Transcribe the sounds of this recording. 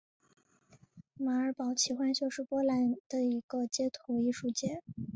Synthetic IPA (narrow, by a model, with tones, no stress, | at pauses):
ma˧˥ə˞˧˥pɑ˨˧˥ʊt͡ɕʰi˧˥xwa˥nt͡ɕjo˥˧ʊʂɻ̩˥˩pwɔ˥la˧˥nd̪̥ə˧i˧˥ɡ̥ə˧t͡ɕjɛ˥t̪ʰu˧˥i˥˧ʂu˥˧t͡ɕjɛ˥˩